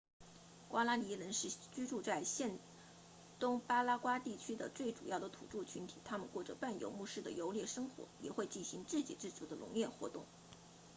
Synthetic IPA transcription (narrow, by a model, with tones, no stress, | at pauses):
kwa˥la˥li˧˥lə˧˥nʂɻ̩˥˩t͡ɕy˥ʈ͡ʂu˥˧t͡sa˥˧ɪɕjɛ˥˩n | t̪ʊ˥ŋpa˥la˥kwa˥t̪i˥˩t͡ɕʰy˥d̪ə˨t͡swe˥˩ɪʈ͡ʂu˨˩jɑ˥˩ʊd̪ə˩t̪ʰṵ˨˩ʈ͡ʂu˥˩t͡ɕʰy˧˥nt̪ʰi̥̰˨˩t̪ʰa˥mə˨nkwɔ˥˩ʈ͡ʂə̰˩pa˥˩njo̰˧˥ʊmu˥˧ʂɻ̩˥˩d̪ə̰˩jo˧˥ʊljɛ˥˩ʂɤ˥ŋxwɔ̰˧˥jɛ̰˨˩xwe˥˧ɪt͡ɕi˥˩ɕi˧˥ŋt͡sɹ̩˥˩t͡ɕḭ˨˩ʈ͡ʂɻ̩˥˩t͡su˧˩d̪ə˧lʊ̰˧˥ŋjɛ˥˧xwɔ̰˧˥t̪ʊ˥˩ŋ